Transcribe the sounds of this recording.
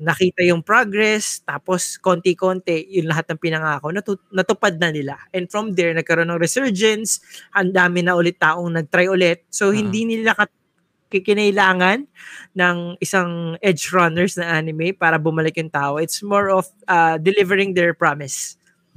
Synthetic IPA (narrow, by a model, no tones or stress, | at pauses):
nɐkiːt̪ɐjʊŋpɹoɡɾɛst̪aːposko̞ːnt̪ɪko̞ːnt̪ɛjʊŋlɐɦat̪̚nɐŋpɪnɐŋaːkonɐt̪ʊnɐt̪ʊpad̪̚nɐnɪlaʔɛ̃nd̪fɹɔmd̪ɛɹnɐɡ̚kɐɾonːɐŋɾɛsɛɹd͡ʒɛnshɐnd̪aːmɪnɐʔʊlɪt̪ːaːʔoŋnɐɡ̚t̪ɾajʔʊlɛt̪̚sohɪnd̪inɪlakɐ | kɪkɪnɐɪlaːŋɐnːɐŋɪsaŋʔɛd͡ʒɹɐnɛɹsnɐʔaːnɪmɛpaːɾɐbʊmɐlɪkjʊŋt̪aːʔoɪt̪smoɹofʔad̪ɛlɪvɛɹɪŋd̪ɛɹpɹamɪs